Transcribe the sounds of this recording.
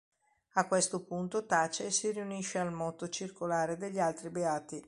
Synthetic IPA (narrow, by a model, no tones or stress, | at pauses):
akːwest̪opunt̪ot̪at͡ʃesiriuniʃːealmɔt̪ot͡ʃirkolaːɾed̪eʎːialt̪ɾibeaːt̪i